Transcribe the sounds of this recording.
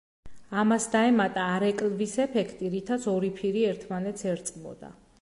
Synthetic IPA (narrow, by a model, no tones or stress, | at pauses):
amasd̪aɛmat̪ʼaːɾɛkʼlvisɛpʰɛkʰt̪ʼiɾit̪ʰat̪sʰɔɾipʰiɾiɛɾt̪ʰmanɛt̪sʰɛɾt̪sʼqʼmɔ̰d̪a̰